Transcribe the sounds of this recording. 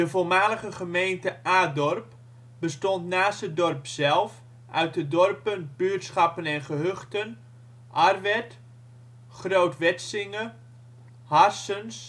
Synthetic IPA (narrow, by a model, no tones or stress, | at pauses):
dəvolˠmaːləχəχəmejntəʔaːdɔrp | bəstɔntnaːsədɔrpsɛlˠf | ʔœ̰ɥt̚dədɔrpənb̥yətsχɑpənɛnχəɦøχtən | ʔarʋɛt | χrowtʋɛtsɪŋə | harsəns